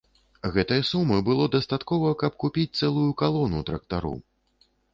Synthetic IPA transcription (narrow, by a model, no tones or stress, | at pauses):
ɣɛt̪ɐjɐsumɨbɨlˠɔd̪ɐst̪at̪kɔvɐkɐpkupʲit͡sʲt̪sɛlˠujukalˠɔnṵt̪ɾɐk̚t̪aɾṵ